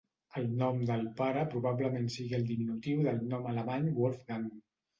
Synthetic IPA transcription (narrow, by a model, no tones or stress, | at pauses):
əlˠnɔmd̪əlˠpaɾəpɾuβaβləmensiɣiəlˠd̪iminut̪iwðəlˠnɔmələmaɲwɔlfɣan